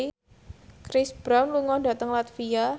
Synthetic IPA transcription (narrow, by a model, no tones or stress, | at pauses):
kɾisb̥ɾawnluŋɔda̤t̪əŋlat̪fia